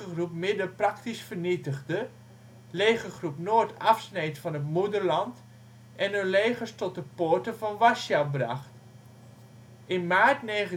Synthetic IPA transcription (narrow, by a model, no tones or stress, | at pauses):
əχrupmɪdəprɑktisfəɹnitəɣdə | leːχəχrupnoːtɑfsnejtfɑnətmudəɹlɑnt | ʔɛnønleːχəɹstɔt̚əpoːɹtəvɑnʋasjawbrɑ̰χt | ʔɪnmaːɹtneːχə